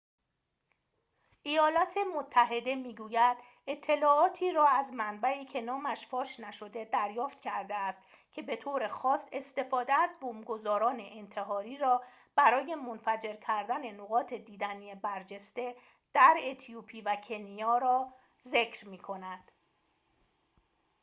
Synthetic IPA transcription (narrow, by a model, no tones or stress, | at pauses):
ʔejɒːlɒːt̪ʰe̞mot̪ʰːæɦe̞d̪e̞miːɡuːjæd̪ | e̞t̪ʰːe̞lɒːɒːt̪ʰiːɾɒːæzmænbæiːcʰe̞nɒːmæʃfɒːʃnæʃo̞d̪e̞d̪æɾjɒːft̪cʰæɾd̪eæst̪ | cʰe̞be̞t̪ʰoːɾe̞xɒːse̞st̪e̞fɒːd̪eæzbomɡo̞zɒːɾɒːne̞ʔent̪ʰe̞ɦɒːɾiːɾɒː | b̥æɾɒːje̞monfæd͡ʒe̞ɾcʰæɾd̪æne̞noɣɒːt̪ʰe̞d̪iːd̪æniebæɾd͡ʒe̞st̪e̞ | d̪̥æɾet̪ʰijupʰiːvæcʰe̞nijɒːɾɒː | ze̞cʰɾmiːkʰo̞næd̪̥